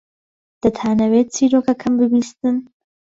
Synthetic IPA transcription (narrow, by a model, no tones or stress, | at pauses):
d̪̥ɐt̪ʰaːnɐwet̪̚t͡sʰiɾokɐkʰɐmbɨbiːst̪ɨn